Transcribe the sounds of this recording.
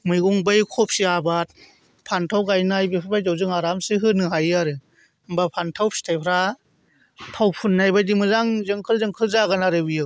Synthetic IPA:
mɯjɡuŋbɯjkʰɔp̚siabat̚ | pʰantʰawɡajnajbɯpʰɯɾbajdawzɯŋaɾamsɯɦɯnɯɦajaɾɯ | mbapʰantʰawpsi̥tʰajpʰɾa | tʰawpʰunːajbajdimɯzaŋzɯŋkʰɯlzɯŋkʰɯlzaɡanaɾɯbijɯ

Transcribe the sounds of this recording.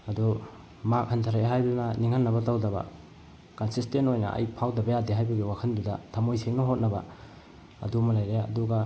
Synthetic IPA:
ɐdu | mak̚hantʰaɾaɦajbnɐniŋhanːɐβɐtawdɐbɐ̰ | kansistentojnɐ̰ʔɐ̰jpʰawdɐbɐjadiɦajbɐɡiwakʰɐndudɐtʰɐmojseŋnɐɦot̚nɐbɐ̰ | ɐ̰dumɐlajɾeɐ̰duɡɐ

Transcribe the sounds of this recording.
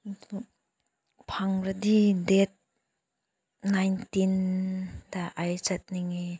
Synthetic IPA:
pʰaŋɾad̪idet̪̚ | nːajntin | daʔajt͡ʃɐt̪̚niŋi

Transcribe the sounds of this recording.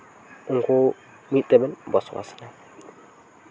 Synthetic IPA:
ɨŋko | mit̪ʼːəbɨnbɔswa̰sna

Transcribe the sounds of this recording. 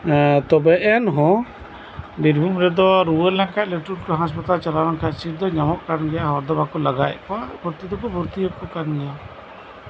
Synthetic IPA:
t̪ɔbɛʔɛnɦɔ̃ | biɾbʱumɾɛd̪ɔɾuwəɾlaŋkaʔ̪̚lɛʈulkɔɦãs̬pat̪alt͡ʃalaɾaŋkʰasiɾd̪ɔɲamɔʔkanɡɛjaʔɦɔɾd̪ɔbakɔlaɡa̰j̰kɔabʱɔɾt̪id̪ɔkɔbʱuɾt̪ijɔkɔkanɡɛja

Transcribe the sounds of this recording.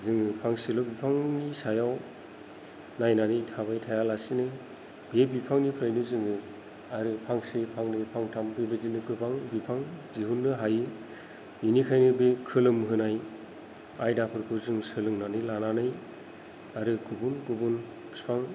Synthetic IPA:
zɯŋɯpʰaŋsilɔbipʰaŋnisajaw | najnanitʰabajtʰajalasinɯ | bebipʰaŋnipʰɾajnɯzɯŋɯ | aɾɯpʰaŋsipʰaŋnɯpʰaŋtʰambebɯzinɯɡɯpʰaŋbipʰaŋziɦunːɯɦajɯ | inikʰajnɯbekʰɯlɯmɦɯnaj | ajdapʰɯɾkʰɯzɯŋsɯlɯŋnanɯlananɯj | aɾɯɡubunɡubun | spʰaŋ

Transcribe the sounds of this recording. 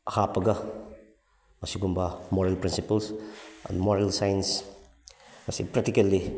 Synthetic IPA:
hapɐɡɐ | mɐsiɡumbɐmoɾelpɾinsipɐlsɛ̰nmoɾelsajns | mɐsipɾɛk̚tikɐlːi

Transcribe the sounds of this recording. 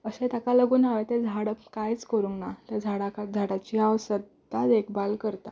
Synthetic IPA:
əsẽt̪akaləɡuːnaʋet̪ed͡zʱaɽəkajt͡skəɾuːŋknat̪ad͡zʱaɽakad͡zʱaɽat͡ɕiaʋsəd̪̚ | t̪ad̪ekbalkəɾt̪a

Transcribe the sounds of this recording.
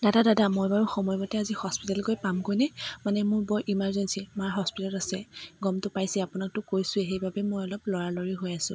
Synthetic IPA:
dadadadamojbaɹuxɔmɔjmɔtɛazihɔspitalkojpamkojnɛmanɛmʊɹbɔɹʔimaɹzɔnsimaɹɦɔspitɔlasɛɡɔmtʊpajsɛapʊnak̚tʊkojsʊeɦejbabɛmojɔlɔplɔɹaloɹiɦojasʊ̰̃

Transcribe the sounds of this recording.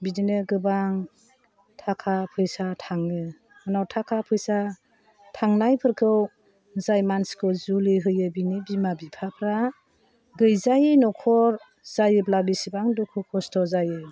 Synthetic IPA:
bidinɯɡɯbaŋ | tʰakʰapʰɯjsatʰaŋɯ | anawtʰakʰapʰɯjsa | tʰaŋnajpʰɯɾkʰɯw | zajmanskʰɯwzuliɦɯjɯbinibimabipʰapʰɾa | ɡɯjzajɯnɔkʰɔɾ | zajɯblabisibaŋdukʰɯkʰɔstʰɔzajɯ

